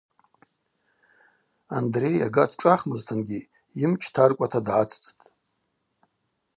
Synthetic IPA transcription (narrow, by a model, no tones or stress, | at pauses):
andre̞ja̰ɡatʰʈ͡ʂʼaχmɨztʰɨnɡʲi | imt͡ʃʰtʰarkʷʼatʰadʕat͡sʰʼt͡sʼtʼ